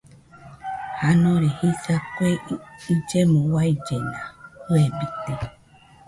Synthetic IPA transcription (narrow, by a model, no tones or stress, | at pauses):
hanõɾehisakweid͡ʒemũwaid͡ʒenahoebit̪e